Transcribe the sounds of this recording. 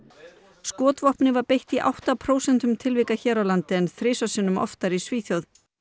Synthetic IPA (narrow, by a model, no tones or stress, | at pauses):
skɔːt̪vɔhpnɪvaɾpejht̪iʔa̰wht̪apʰɾoːwsɛn̥t̪ʏmt̪ʰɪlviːkaçɛːɾawlant̪ɪɛnθɾeːsasɪnːʏmɔ̰ft̪aɾisviːθjowð